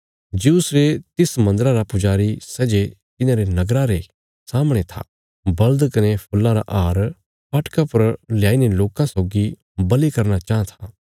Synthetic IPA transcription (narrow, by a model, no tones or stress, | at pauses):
d͡ʒisɾet̪ɪsmɐ̃nd̪əɾãɾapʊd͡ʒaːɾisɛːd͡ʒet̪ɪnãɾenɐɡɾaɾe | saːmɽ̃et̪ʰa̰ | bɐld̪kɐnepʰʊlːãɾa̰ʔaːɾ | paːʈkapɐɾljaːineloːkãsoːɡi | bɐlikɐɾnat͡ʃaːãt̪ʰaː